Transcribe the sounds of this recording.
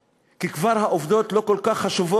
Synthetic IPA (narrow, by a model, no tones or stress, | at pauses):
kikvaʁhaʔovd̪o̞tlo̞ko̞lkaχːaʃuvo